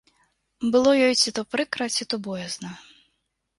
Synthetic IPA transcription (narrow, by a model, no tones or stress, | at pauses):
bɨlˠɔjɔjt͡sʲit̪upɾɨkɾɐt͡sʲit̪ɔbɔjɛznɐ